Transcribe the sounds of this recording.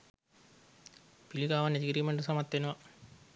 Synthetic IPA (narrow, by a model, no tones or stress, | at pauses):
pilikaːʋɐnet̪iɡiɾimeɳɖusɐmɐt̪ːenuʋɐ